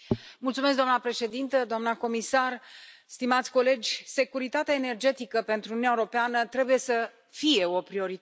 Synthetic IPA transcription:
mult̪sumes̬k̬̚d̪oamnəpɾe̞ʃe̞d̪int̪əd̪oamnəko̞misarst̪imat̪sʲko̞le̞d͡ʒʲse̞kuɾit̪at̪eaene̞rd͡ʒe̞t̪ikəpe̞nt̪ɾunuaeɾopeanət̪ɾe̞buje̞sə | fije̞o̞pɾio̞ɾit̪

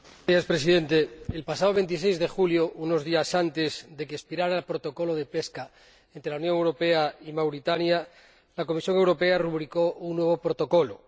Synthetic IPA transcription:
espɾe̞siðe̞nt̪e̞elpasaðoβe̞nt̪̬is̬ejzðe̞xuljouno̞zðiasant̪e̞zðe̞keespiɾaɾaːlpɾot̪o̞ko̞lo̞ð̞e̞pe̞ska | ent̪ɾelaunjõ̞ŋewɾo̞pe̞aimawɾit̪anja | lako̞misjo̞ŋe̞wɾo̞pe̞aruβɾiko̞uŋnːwe̞β̞o̞pɾot̪o̞ko̞lo̰

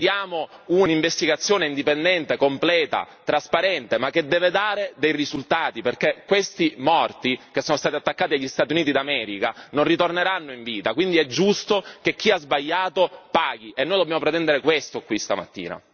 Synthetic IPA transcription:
jaːmouiɱvest̪iɡat̪sːjoːneind̪ipend̪ɛnt̪ekomplɛːt̪a̰ | t̪ɾaspaɾɛnt̪emakːed̪ːɛːved̪aːɾed̪ejrizult̪aːt̪iperkekːwest̪imɔrt̪ik̟esːoːnost̪aːt̪iat̪ːakːaːt̪iaʎːist̪at̪juniːt̪̬id̪amɛːɾikanonrit̪orneɾanːoiɱviːt̪akwind̪iɛd͡ʒːust̪ok̟ek̟ːiazbaʎːaːt̪opaːɡ̟iʔenːoːjd̪objaːmopɾet̪ɛnd̪eɾekwest̪okwist̪a̰ma̰t̪ːḭːna̰

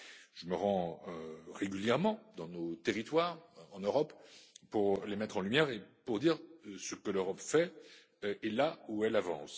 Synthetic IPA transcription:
ʒ̥əməʁɑ̃øʁeɡʲyljɛʁmɑ̃d̪ɑ̃not̪eʁit̪waːʁɑ̃nøʁɔppuʁlemɛt̪χɑ̃lymjɛʁepuʁd̪iʁsəkəløʁɔpfɛ | ʔɛlauɛlavɑ̃s

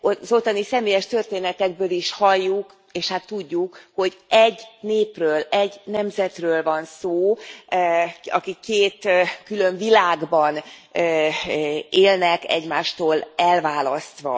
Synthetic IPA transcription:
ozot̪ːɒnisɛmeːjɛʃt̪ørt̪eːnɛt̪ɛɡ̚bøːliʃhɒjːuk | eːʃhat̪ːuɟːukho̞ɟʔɛɟːneːprøːlɛɟnɛmzɛt̪røːlvɒnsoː | ɒkikːeːt̪kylø̞ɱvilaːɡbɒnø | eːlnɛkɛ̰ɟmaːʃt̪oːlɛlvaːlɒst̪ʋɒ̰

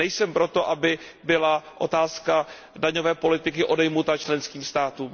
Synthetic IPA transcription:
ɛjsɛmpɾo̞t̪o̞ʔabɪ | bɪlaʔo̞t̪aːska | daɲo̞vɛːpo̞lɪt̪ɪkɪʔo̞dɛjmut̪at͡ʃlɛnskiːmst̪aːt̪uːm

